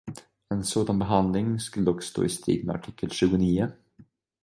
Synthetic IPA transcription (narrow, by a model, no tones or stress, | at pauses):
ɛnsoːd̪anbɛɦand̪lɪŋskɵlːəd̪ɔkːst̪o̰ːɪst̪ɾḭːd̪mɛ̰a̰ʈʰɪkʰːəlɕʉ̟ːɡʊniːʊ